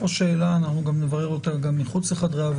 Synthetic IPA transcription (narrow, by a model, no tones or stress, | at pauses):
oʃeːlaːnaχnuɡamnevaʁeʁot̪aɡamːiχut͡sleχad̪ʁeav